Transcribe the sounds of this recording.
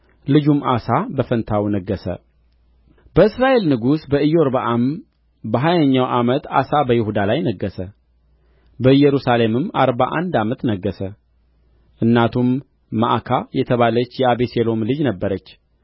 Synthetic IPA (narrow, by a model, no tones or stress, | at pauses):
lɨd͡ʒumʔasabəfənt̪ʰawnəɡːəsə̰ | bəɨsɾaʔe̞lnɨɡusbəɨjoɾbaʔam | bəɦajaɲːawʔamət̪a̰sabəjɪhud̪alajnəɡːəsə | bəɨjɛɾusale̞mɨmaɾbaʔa̰nd̪amət̪nəɡːəsə | ʔɨnːat̪ʰumː | a̰ʔkʰajɛt̪ʰəβalət͡ʃːjɛaβeselo̞mlɨd͡ʒnəbːəɾət͡ʃː